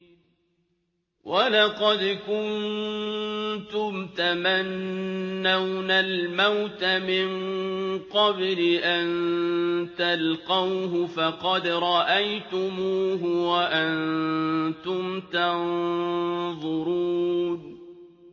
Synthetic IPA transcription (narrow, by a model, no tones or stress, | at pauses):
walɑqɑd̪kʊn | t̪ʊmt̪amanː | awnalmawt̪amɪŋqɑblɪʔan | t̪alqɑwɦʊfɑqɑd̪ɾˤɑʔajt̪ʊmuːɦʊwaʔant̪ʊmt̪an | ðˤʊɾuːn